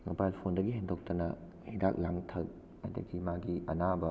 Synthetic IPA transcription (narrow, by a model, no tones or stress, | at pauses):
mobajlpʰondɐɡiɦendok̚tɐnɐ | hida̰k̚laŋtʰɐk̚ | a̰jtɐ̰ɡimaɡiɐnabɐ